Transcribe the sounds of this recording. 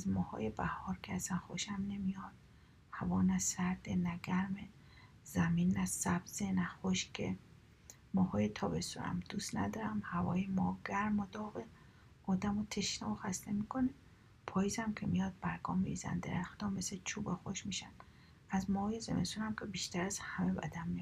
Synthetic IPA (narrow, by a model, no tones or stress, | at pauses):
æzmɒːhɒ̰ːjebæhɒːɾkʰeæsænxoʃæmnemijɒd̪̥ | hævɒːnæsæɾd̪enæɡæɾme | zæminːæsæb̥z̥enæxoʃkʰḛ | mɒːhɒːjet̪ʰɒːbe̞suɾæ̰md̪̥ust̪næd̪ɒːɾæmhævɒ̰ːjemɒɡæɾmod̪ɒːɣe | ɒːd̪æmot̪ʰeʃnæoxæst̪emikʰone | pʰɒːjiːzæmkʰemijɒd̪̚bæɾɡɒːmiɾizæ̰nd̪eɾæxt̪ɔmːeset͡ʃʰubexoʃmiʃæn | æzmɒhɔːjezḛmḛst̪unæmkʲʰebiʃt̪æɾæz̥hæme̞bæ̰d̪æmːij